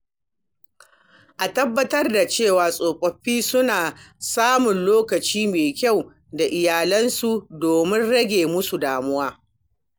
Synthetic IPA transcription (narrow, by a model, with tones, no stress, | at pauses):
ʔa˨tɐ˦bːɐ˦tɐ˦rda˨t͡ʃeː˦˨waː˨sʼoː˨kʷʼɐ˨ɸiː˦sʊ˦naː˨saː˦mʊ˨nloː˦kɐ˨t͡ʃiː˦meː˨kʲa˦˨w | da˨ʔɪ˨jaː˨lɐ˦nsu˦˨doː˨mɪ˦nɽɐ˦ɡʲeː˨mʊ˦su˨daː˨mʊ˦waː˦